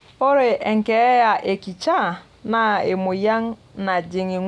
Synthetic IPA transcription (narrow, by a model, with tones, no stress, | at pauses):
o˦ɾe˨ʔe˨ŋ̩˨ke˨˦ja˨ʔe˨ki˨t͡ʃa˦˨ | na˨e˨mo˨ja˦ŋ˦na˨d͡ʒe˨ŋi˨ŋ